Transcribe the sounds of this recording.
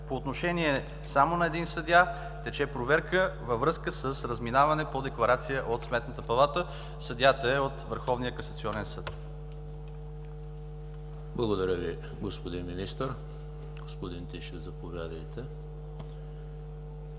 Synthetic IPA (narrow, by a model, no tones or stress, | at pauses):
poːt̪noʃɛniɛ | samonɐɛd̪insəd̪ja | t̪ɛt͡ʃɛpɾovɛɾkəvɐvɾɤskəsəsɾəzminavɐnɛpod̪ɛklˠɐɾat̪sijəʔot̪smɛt̪nət̪əpɐlˠat̪ə | sɐd̪jat̪əɛot̪vəɾxɔvnijəkɐsɐt̪siɔnɛnsɤt̪ | blˠɐɡod̪ɐɾʲəvi | ɡospod̪inminist̪əɾ | ɡ̥ospod̪int̪iʃɛvzɐpovʲjad̪əjt̪ɛ